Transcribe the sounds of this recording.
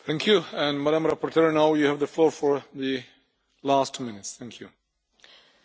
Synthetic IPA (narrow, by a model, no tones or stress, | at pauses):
θʰɛ̃ŋkʰjuɛ̃nmæɾãmɾapɔɹtʰɛɹnaʊjuhævðəflɔɹfɔɹðɨ | læstʰumɪ̃nɪtsθæ̃ŋkʰju